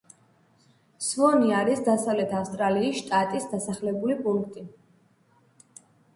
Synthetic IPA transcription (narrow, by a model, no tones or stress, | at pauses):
svɔniaɾisd̪asavlɛt̪ʰafst̪ʼɾaliːsʃt̪ʼat̪ʼisd̪asaχlɛbulipʼuŋkʰt̪ʼi